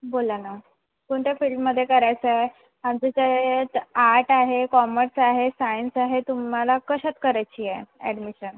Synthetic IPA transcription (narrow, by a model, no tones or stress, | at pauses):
bolana | koɳʈ̪jafilmːəd̪ʱːjekəɾajt͡səɦe | amd͡ʑet͡ɕaet̪aɾʈaɦekɔməɾsaɦesajənsaɦet̪umalakəɕət̪kəɾajt͡ɕieɛɖmiɕən